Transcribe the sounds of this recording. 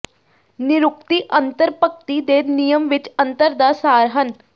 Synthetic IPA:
nɪɾʊk̚t̪iːʔənt̪əɾpək̚t̪iːd̪eːnijəmʋɪt͡ʃə̃nt̪əɾd̪aːsaːɾɦən

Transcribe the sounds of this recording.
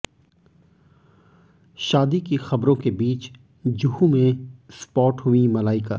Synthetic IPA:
ʃaːd̪ikixɐbɾõkebiːt͡ʃ | d͡ʒʊɦumẽspɔːʈɦʊimɐlaːɪka̰ː

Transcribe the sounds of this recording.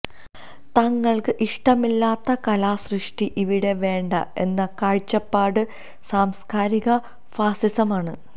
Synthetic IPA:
t̪ɐŋːɐɭkɨʔiʂʈɐmilːaːt̪ːɐkɐlaːsrɨʂʈiʔiʋiɽe̞ʋe̞ːɳɖɐ̰e̞̰nːɐkaːɻt͡ɕːɐpːaːɽɨ | saːmskaːɾiɣɐ | faːsisɐmaːɳɨ

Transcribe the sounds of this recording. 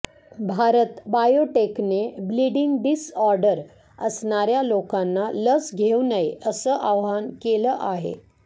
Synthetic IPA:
bʱaɾət̪bajoʈeknebliɖiŋɡɖisɔɾɖəɾ | əsɳaɾjalokanːaləsɡʱeunəjəsəʔaʋɦankeləʔaɦḛ

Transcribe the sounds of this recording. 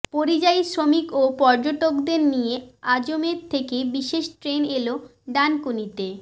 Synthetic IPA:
poɾid͡ʑajsɾomikopɔɾd͡ʑoʈokd̪eɾnijead͡ʑomeɾt̪ʰekebiʃeʃʈɾeneloɖankunit̪e

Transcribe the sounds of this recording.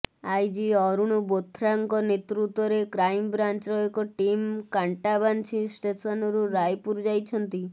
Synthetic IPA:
ajd͡ʒiɔɾuɽ̃ubot̪ʰɾaŋkɔnet̪ɾut̪wɔɾekɾajmbɾant͡ʃɔekɔʈimkaɳʈabant͡ʃʰisʈesɔnɔɾuɾajpuɾd͡ʒajt͡ʃʰɔnt̪i

